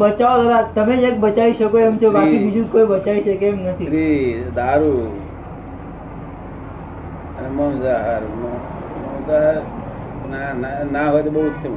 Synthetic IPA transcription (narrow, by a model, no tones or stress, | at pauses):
bət͡ʃaʋod̪əɾat̪əmeek̚bət͡ʃaʋiʃəkoemt͡ʃobaibid͡ʒʱũkoibət͡ʃaʋiʃekemnət̪ʰiɾid̪aɾu | ənemonzaɾmo | moza | nananaɦojt̪obout͡ʃʰũ